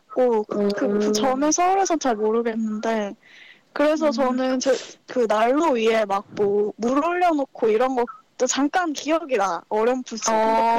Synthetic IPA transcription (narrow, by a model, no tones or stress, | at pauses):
k͈okɯkɯɯt͡ɕʰʌme̞sʰʌuɾe̞sʰʌt͡ɕaɭmoɾɯɡe̞nːɯnde̞ | kɯɾe̞s̬ʰʌt͡ɕʌnɯnt͡ɕekɯnaɭːoɥie̞mak̚k͈omuɾɯɭːjʌnokʰoiɾʌnɡʌkt͈ot͡ɕaŋk͈ankijʌɡiɾaʌɾjʌmpusʰʌ